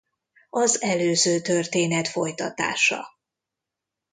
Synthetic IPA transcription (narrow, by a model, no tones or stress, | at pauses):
ɒzɛløːzøːt̪ørt̪eːnɛt̪fo̞jt̪ɒt̪a̰ːʃɒ̰